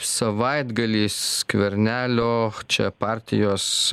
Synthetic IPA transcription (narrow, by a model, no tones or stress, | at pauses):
sɐʋɐɪd̪ɡɐlʲiːskʋʲɛɾʲnʲæːlʲoːt͡ʃʲɛ̰pɑːɾʲt̪ʲɪ̰joːs